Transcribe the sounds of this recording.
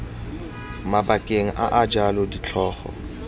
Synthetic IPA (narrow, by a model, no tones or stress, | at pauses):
mabakʼeŋ̩ʔa̰ʔad͡ʒalʊdit͡ɬʰɔːχɔ̰